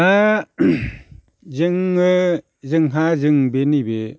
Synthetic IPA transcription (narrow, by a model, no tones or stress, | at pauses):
a | zɯŋːɯ | zɯŋɦazɯŋbenibe